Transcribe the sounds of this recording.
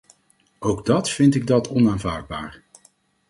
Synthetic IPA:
owɡdɑtfɪntɪɡ̚dɑtʰɔnaːnva̰ːɹd̚ba̰ːɹ

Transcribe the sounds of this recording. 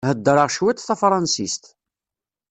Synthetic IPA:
həd̪ːɾˤəʁʃwæt̪θæfɾˤɑnsist̪

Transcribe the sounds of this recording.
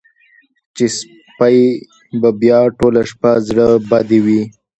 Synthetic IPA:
t͡ʃes | paj | babjɑʈolaʃpazɽəbad̪ewi

